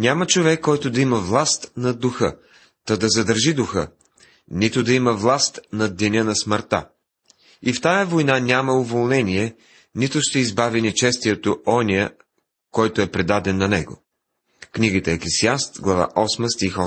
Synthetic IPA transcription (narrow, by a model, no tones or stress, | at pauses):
nʲamət͡ʃovɛkːɔjt̪ʊd̪ɐimɐvlˠast̪nɐd̪ʊxə | t̪əd̪ɐzɐd̪əɾʒid̪ʊxə | nit̪ʊd̪ɐimɐvlˠast̪nɐd̪ɛnʲənɐsməɾt̪a̰ | ift̪ajəvojnanʲamɐʊvolˠnɛniɛ | nit̪ʊʃt̪ɛizbavinɛt͡ʃɛst̪iɛt̪oɔnʲiə | kɔjt̪oɛpɾɛd̪ad̪ɛnːɐnɛɡo̰ | kniɡit̪ɛːklɛsiast̪ɡlˠɐva̰ʔɔsməst̪ixɔ